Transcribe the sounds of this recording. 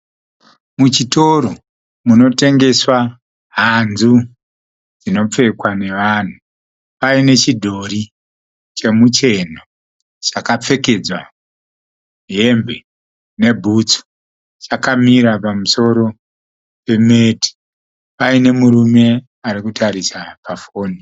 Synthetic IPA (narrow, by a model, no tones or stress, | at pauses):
mut͡ʃito̞ɾo | muno̞te̞ŋɡe̞swa | ɦanzu | d͡zino̞p͡fe̞kwane̞ʋaːn̤u | paine̞t͡ʃidʱo̞ɾi | t͡ʃe̞mut͡ʃe̞n̤o | t͡ʃakap͡fe̞ke̞d͡zwa̰ | ɦembe̞ | ne̞bʱut͡so̥ | t͡ʃakamiɾapamuso̞ɾo̞ | pe̞me̞ti̥ | paine̞muɾume̞ | aɾikutaɾisapafo̞ːni